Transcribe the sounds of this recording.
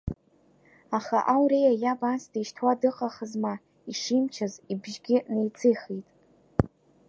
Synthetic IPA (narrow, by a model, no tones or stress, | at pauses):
aχaʔawɾejajabansdeʃtʰwadɨqʼaχəzma | iʂimt͡ʃʰazibʒɡʲɪnejt͡sʰɨjχijtʼ